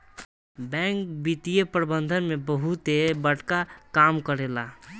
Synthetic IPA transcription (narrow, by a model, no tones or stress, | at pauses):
bɛ̃kbit̪ijəpɾəbənd̪ʱənmebəɦut̪ebəʈkakamkəɾela